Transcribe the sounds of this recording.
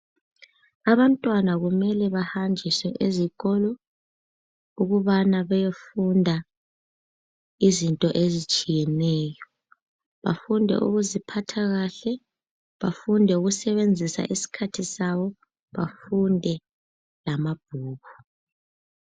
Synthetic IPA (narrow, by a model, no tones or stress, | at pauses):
aβantʼwanaɣumɛlɛβahand͡ʒʱiswɛʔeziɣɔlɔ | uɣuβanaβɛjefundʱa | izintʼɔʔezit͡ʃʼijɛnɛːjɔ | βa̰fundʱɛ̰ʔṵɣuzipʰatʰaɣaɬɛ | βafundʱɛuɣusɛβend͡zʱisa̰ʔisi̥kʰatʰisaβɔ | βafundʱɛ | lamab̥̚ʱuːɣu